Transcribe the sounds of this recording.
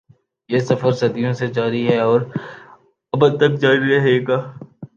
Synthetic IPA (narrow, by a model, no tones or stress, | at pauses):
jesɐfəɾsɐd̪ijõsed͡ʒaːɾiɦɛɔːɾ | ɐbəd̪̚t̪ːɐk̚d͡ʒaːɾiɾɐɦeːɡaː